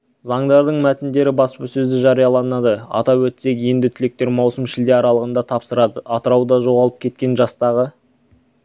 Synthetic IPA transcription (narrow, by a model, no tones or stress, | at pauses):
zɑɴd̪ɑɾd̪əɴmæt̪ɪnd̪e̞ɾɪbɑspəsɵzd̪ɪʒɑɾijɑlˠɑnɑd̪əɑ̰t̪ɑwɵt̪se̞kje̞nd̪ɪt̪ʰʏle̞k̚t̪e̞ɾmɑwsəmʃɪld̪eɑɾɑlˠəʁənd̪ɑt̪ʰɑpsəɾɑd̪əɑt̪əɾɑwd̪ɑʒo̞ʁɑlˠəp̚kʲʰe̞t̪̚kʲe̞nʒɑst̪ɑʁə